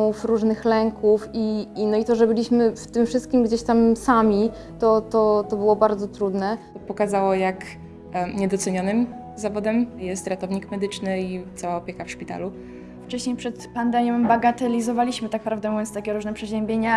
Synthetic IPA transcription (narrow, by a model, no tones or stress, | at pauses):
ufɾuʐnɘxlɛŋkufiːnɔit̪ɔʐɛbɘlʲiɕmɘft̪ɘmfʂɘst̪kʲimɡd͡ʑeɕt̪amsamʲi | t̪ɔt̪ɔt̪ɔbɘwɔbaɾd̪zɔt̪ɾud̪nɛ | pɔkazawɔjak | ɲɛd̪ɔt̪sɛɲɔnɘm | zavɔd̪ɛmjɛst̪ɾat̪ɔvɲikmɛd̪ɘt͡ʂnɘit̪sawaɔpʲjekafʂpʲit̪a̰lu | ft͡ʂɛɕɲejpʂɛt̪pand̪ɛmʲjɔ̃baɡat̪ɛlʲizɔvalʲiɕmɘt̪ak̚pɾavd̪ɛmɔvʲjɔnst̪akʲɛɾuʐnɛpʂɛʑɛmbʲjeɲa